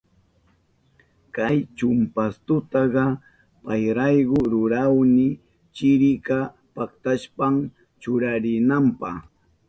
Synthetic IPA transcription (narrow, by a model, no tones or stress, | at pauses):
kajt͡ʃʊmpast̪ʊt̪ɑɢɑ | pajɾɑjɢʊɾʊɾawnɪ | t͡ʃɪɾɪka | pakt̪aʃpam | t͡ʃʊɾaɾɪnampɑ̰χ